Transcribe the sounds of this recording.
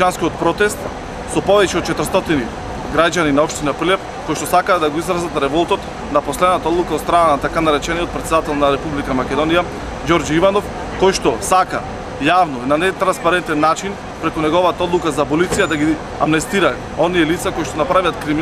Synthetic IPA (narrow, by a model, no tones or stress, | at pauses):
anskiot̪̚pɾɔt̪ɛst̪ | sɔpɔvɛcɛot̪t͡ʃɛt̪ɾst̪ɔt̪ini | ɡɾaɟaninaɔpʃt̪inapɾilɛf | kojʃt̪ɔsakaːd̪aɡoizɾazat̪ɾɛvɔlˠt̪ɔt̪ | naposlɛd̪nat̪aɔd̪lˠukaot̪st̪ɾananat̪akanaɾɛt͡ʃɛniot̪̚pɾɛt̪sɛd̪at̪ɛlˠnaɾɛpublikamakʲɛd̪ɔnija | ɟɔɾd͡ʒivanɔf | kɔjʃt̪ɔsaka̰ | javnɔinanɛt̪ɾanspaɾɛnt̪ɛnːat͡ʃin | pɾɛkunɛɡɔvat̪aɔd̪lˠukazapɔlit̪sijad̪aɡi | a̰mnɛst̪iɾa | ɔnijɛlit̪sakojʃt̪ɔnapɾavijat̪kɾimi